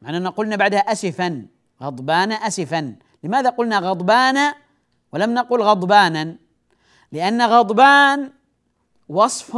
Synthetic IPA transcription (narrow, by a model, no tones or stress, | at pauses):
maʕnaʔanaqʊlnabaʕd̪haʔasɪfan | ɣɑd̪ˤbaːnaʔasɪfan | lɪmaːðaqʊlnaɣɑd̪ˤbaːna | walamnaquːlɣɑd̪ˤbaːnan | lɪʔanːaɣɑd̪ˤbaːn | wɑsˤf